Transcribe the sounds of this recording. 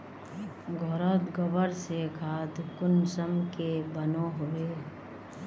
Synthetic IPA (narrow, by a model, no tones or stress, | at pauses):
ɡʱoɾət̪ɡəbəɾsekʰaːt̪kʊnsəmkebənoɦoweː